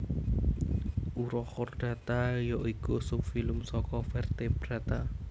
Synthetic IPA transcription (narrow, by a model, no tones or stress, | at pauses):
ʔuɾɔkɔrɖ̥a̤t̪ajɔikusʊp̚filʊmsɔkɔfɛrt̪eb̥ɾat̪a